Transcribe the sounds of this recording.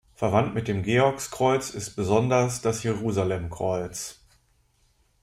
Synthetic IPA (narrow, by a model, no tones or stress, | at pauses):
fɛɐvantmɪt̚d̥eːmɡeːɔɐkskʁ̥ɔʏt͡sɪst̚b̥əzɔndɐsd̥asjeʁuːzalɛmkʁ̥ɔʏt͡s